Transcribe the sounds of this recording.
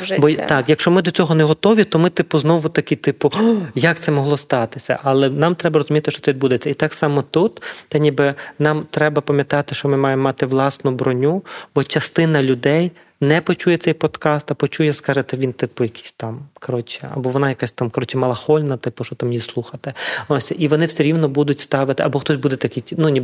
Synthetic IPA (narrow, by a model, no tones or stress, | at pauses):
bɔt̪ɑkjɐkʃt͡ʃɔmɪd̪ɔt͡sʲɔɦɔneɦɔt̪ɔʋʲit̪ɔmɪt̪ɪpʊznɔʋʊt̪ɐkʲɪt̪ɪpʊjɐk̚t̪sɛmɔɦlˠɔst̪ɑt̪ɪsʲɐ̰ʔɐlˠɛnɑmt̪ɾɛbɐɾɔzʊmʲit̪ɪʃt͡ʃɔt̪ɛʋʲid̪bud̪et͡sʲːɐit̪ɑksɑmɔt̪ut̪t̪ɛnʲibɪnɑmt̪ɾɛbɐpɐmʲjɐt̪ɑt̪ɪʃt͡ʃɔmɪmɑjemːɑt̪ɪʋlˠɑsnʊbɾɔnʲubɔt͡ʃɐst̪ɪnɐlʲʊd̪ɛj | nɛpɔt͡ʃujɛt̪sɛjpɔd̪̥kɑst̪ɐpɔt͡ʃujɛskɑʒɪt̪ɛʋʲint̪ɪpʊjɐkʲʰi̥sʲt̪ɑmkɐɾɔt͡ʃɪɐ̰bɔʋɔnɑjɐkasʲt̪amkɐɾɔt͡ʃɪmɐlˠɐxɔlʲnɐt̪ɪpʊʃɔt̪amjijslˠuxɐt̪ɪɔsʲʔiʋɔnɪwsʲɛɾʲiwnɔbud̪ʊtʲst̪ɑʋɪt̪ɪʔɐbɔxt̪ɔsʲbud̪ɛt̪ɐkʲitʲinunʲi